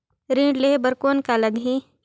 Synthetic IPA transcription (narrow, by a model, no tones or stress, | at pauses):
ɾĩːɖlebəɾkoːnkaləɡɦĩ